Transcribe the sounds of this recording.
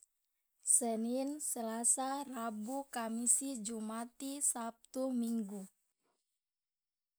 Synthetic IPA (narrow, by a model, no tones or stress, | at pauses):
səninsəlasarabukamisid͡ʒumat̪isap̚t̪umiŋɡu